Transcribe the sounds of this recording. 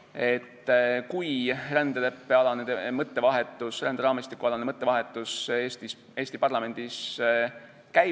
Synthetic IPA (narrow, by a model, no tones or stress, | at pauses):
e̞t̪ːkujrænd̪̥ele̞pːe̞ɑlɑned̪emɤt̪ːe̞vɑɦe̞t̪ˑːusrænd̪eɾɑːmist̪ikːuɑlɑnemɤt̪ːˑe̞vɑɦe̞t̪ːˑuseːst̪is | e̞ːst̪ipɑrlɑme̞nd̪̥is | kæj